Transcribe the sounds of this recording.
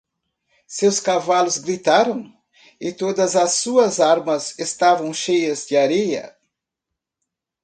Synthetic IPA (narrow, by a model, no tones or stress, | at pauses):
sewskavalʊzɡɾit̪aɾɐ̃w̃ | ɪt̪od̪ɐzɐsuɐzaɾmɐzest̪avɐ̃w̃ʃejɐzd͡ʒɪaɾejɐ̰